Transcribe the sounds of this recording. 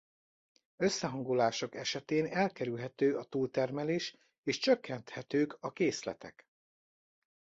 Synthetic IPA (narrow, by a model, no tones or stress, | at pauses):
ø̞sːɛɦɒŋɡolaːʃo̞kɛʃɛt̪eːnɛlkɛɾylɦɛt̪øːɒt̪uːlt̪ɛrmɛleːʃ | eːʃt͡ʃø̞kːɛnt̪hɛt̪øːkɒkeːslɛ̰t̪ɛ̰k